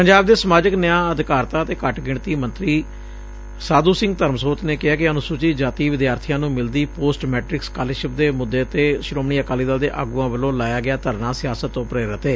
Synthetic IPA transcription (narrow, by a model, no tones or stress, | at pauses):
pəɲd͡ʒaːb̚d̪eːsəmaːd͡ʒəknɪjãːəd̪ɪkaːɾt̪aːət̪eːkəʈɡɪɳt̪iːmənt̪ɾiː | saːd̪uːsɪ̃ŋɡt̪əɾmsoːt̪neːkɪɦaːkɪənʊsuːt͡ʃiːd͡ʒaːt̪iːʋɪd̪jaːɾt̪ʰijãːnũːmɪld̪iːpoːsʈmɛːʈɾɪkskaːleːʃɪp̚d̪eːmʊd̪ːeːt̪eːʃɾoːmɳiːəkaːliːd̪aːld̪eːʔa̰ːɡuːãːʋəlõːlaːjaːɡɪaːt̪əɾnãːsɪjaːsət̪ːõːpɾeːɾət̪eː